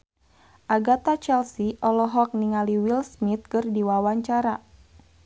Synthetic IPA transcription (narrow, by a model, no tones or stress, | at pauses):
ʔaɡat̪at͡ʃɛlsiʔɔlɔɦɔk̚niŋaliwilsmit̪̚kɨrdiwawaɲt͡ʃaɾa